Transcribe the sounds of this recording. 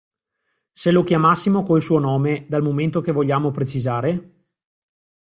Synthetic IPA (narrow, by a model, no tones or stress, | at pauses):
selokjamasːimokoilsuːonɔːmed̪almoment̪okevoʎːaːmopɾet͡ʃizaːɾe